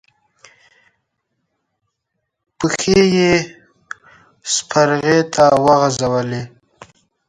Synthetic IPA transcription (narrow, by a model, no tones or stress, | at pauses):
pəxeje | spʰaɾɣet̪ʰawəɣazawəle